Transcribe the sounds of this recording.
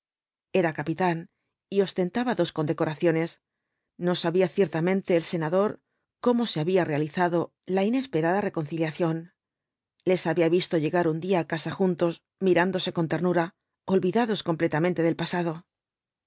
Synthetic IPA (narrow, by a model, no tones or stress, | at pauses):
e̞ɾakapit̪an | io̞st̪e̞nt̪aβaðo̞sko̞nd̪e̞ko̞ɾaθjo̞ne̞s | no̞saβiaθje̞ɾt̪amẽ̞nt̪e̞ːlse̞naðo̞ɾ | ko̞mo̞seaβiare̞aliθaðo̞ | laine̞spe̞ɾað̞are̞ko̞nθiljaθjo̞n | le̞saβiaβist̪o̞ʝe̞ɣaɾund̪iaːkasaxunt̪o̞z | miɾand̪o̞se̞ko̞nt̪e̞ɾnuɾa | o̞lβiðaðo̞sko̞mple̞t̪amẽnt̪e̞ð̞e̞lpasaðo̞